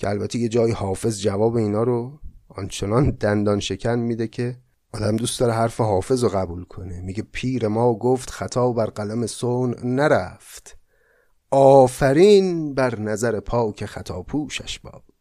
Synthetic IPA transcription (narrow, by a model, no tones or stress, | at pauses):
cʰeælbæt̪ʰeje̞d͡ʒɒːjihɒːfe̞zd͡ʒævɒːbeiːnɒːɾoɒ̰nt͡ʃʰe̞nɒnd̪ænd̪ɒːnʃe̞cʰænmiːd̪ecʰe̞ | ʔɒːd̪æmd̪uːst̪ɒːɾeɦæɾfeɦɒːfe̞zoɣæbuːlkʰo̞nemiɟe̞pʰiːɾe̞mɒːɡoːft̪xæt̪ʰɒːbæɾɢælæmesoːnnæɾæft̪ | ɒːfæɾiːnbæɾnæzæɾepʰɒːcʰexæt̪ʰɒːpʰuːʃæʃb̥ɒ̰ːb